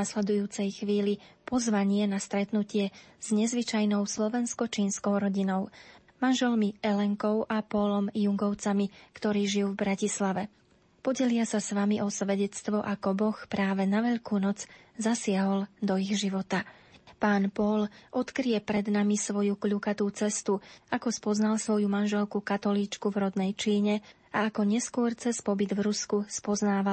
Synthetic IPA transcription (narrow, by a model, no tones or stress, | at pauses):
aslɛd̪ujuːt͡sɛjxʋiːlipɔzʋaɲɪɛnast̪ɾɛt̪nucɪɛz̥ɲɛzʋit͡ʃajnɔʊslɔʋɛnskɔt͡ʃiːnskɔʊɾɔɟinɔʊ | manʒɛlmiɛlɛŋkɔʊʔapɔlɔmjuŋɡɔʊt͡samikt̪ɔɾiːʒijuːvbɾacislaʋɛ | pɔɟɛlɪasasʋamiʔɔsʋɛɟɛt͡st̪ʋɔʔakɔbɔxpɾaːʋɛnaʋɛʎkuːnɔd͡zzasɪaɦɔld̪ɔiɣʒiʋɔt̪a | paːnpɔlʔɔt̪kɾijɛpɾɛd̪namisʋɔjukʎukat̪uːt͡sɛst̪uakɔspɔznalsʋɔjumanʒɛlkukat̪ɔliːt͡ʃkuvɾɔd̪nɛjt͡ʃiːɲɛ | aːkɔɲɛskʊɔɾt͡sɛspɔbid̪vɾuskuspɔznaːʋa